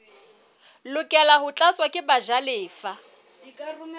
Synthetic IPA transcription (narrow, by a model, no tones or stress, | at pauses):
lʊkʼɛlaɦʊt͡ɬʼat͡sʼwakʼɪbaʒalɪːfa